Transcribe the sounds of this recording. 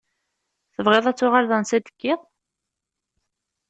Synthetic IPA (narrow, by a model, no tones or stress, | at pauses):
θəvʁeðˤæt͡sːʊʁalðənsæd̪ə̥kːɪðˤ